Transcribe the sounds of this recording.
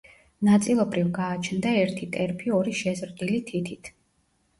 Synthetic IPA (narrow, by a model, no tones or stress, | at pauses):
nat̪sʼilˠɔbɾivɡaːt͡ʃʰnd̪aɛɾt̪ʰit̪ʼɛɾpʰiɔɾiʃɛzɾd̪ilit̪ʰit̪ʰit̪ʰ